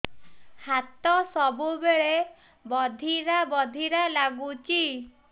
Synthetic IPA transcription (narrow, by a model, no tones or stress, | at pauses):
hat̪ɔsɔbubeɭe | bɔd̪ʱiɾabɔd̪ʱiɾalaɡut͡ʃi